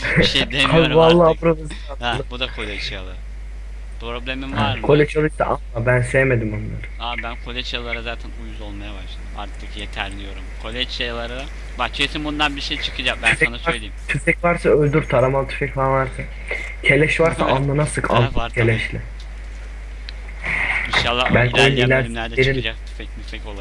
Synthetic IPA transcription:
d̪eaalˠːaːbuɾad̪asɯanˠabud̪akʰolʲɛt͡ʃʰejlˠaɾa | pʰɾoblʲemimaaɾkʰo̞lʲɛt͡ʃʰalˠɯʃt̪a̰ʔanˠabænse̞jeme̞d̪imanlˠa̰ɾɯabænkʰolʲɛt͡ʃʰajlˠaɾazaːt̪ʰænujuzolˠmajabaʃlˠad̪maɾt̪ʰɯkjet̪ʰæɾlʲijo̞ɾumkʰolʲɛt͡ʃejalˠaɾa | bakt͡ʃʰeesimbond̪anbiɾʃejt͡ʃʰɯ̥kʰɯd͡ʒakbæysɛnasajlʲejit̪ʰyfɛcvaɾsaølʲd̪yɾt̪ʰaɾamalˠt̪ʰy̥fɛcvaɾvaɾsa | cʰe̞lʲɛʃvaɾsa̰ʔʔanlˠanasɯkʰa̰ncʰelʲɛʃlʲɪ | iʃalˠːabænʲcojnilʲæɾiɾd̪et͡ʃɾid͡ʒak̚t̪ʰy̥fɛc̚myfɛcolˠa

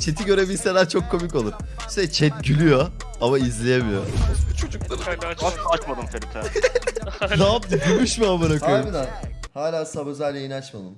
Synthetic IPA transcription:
t͡ʃʰe̞t̪ʰiɟø̞ɾe̞biselʲæɾt͡ʃʰo̞kʰːo̞mikolˠuɾ | sɛt͡ʃʰɛt̪̚ɟylʲyjo̞ | amaizlʲijemijo̰t͡ʃʰod͡ʒuk̪̚a | at͡ʃmad̪ɯmt̪ʰebit̪ɛ | nabd̪iɡuɾmuʃmiabaɾakojinahaːlʲaːsabø̞zælʲːeinat͡ʃmalˠɯm

